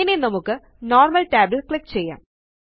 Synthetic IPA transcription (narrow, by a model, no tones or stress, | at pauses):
inenɐmukːɨ | noːrmɐlʈeːblekɭikːt͡ɕejːa̰ːm